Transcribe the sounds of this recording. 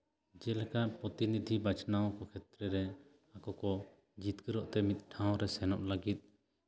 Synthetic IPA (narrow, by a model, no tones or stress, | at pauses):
d͡ʒɛlɛkaʔpɾɔt̪inid̪ʱibat͡ʃnawɔkɔkʰɛt̪ɾɛɾɛ | akɔkɔ | d͡ʒit̪kəɾɔʔt̪ɛmit̪̚ʈʰãw̃ɾɛsɛnɔʔlaɡit̪̚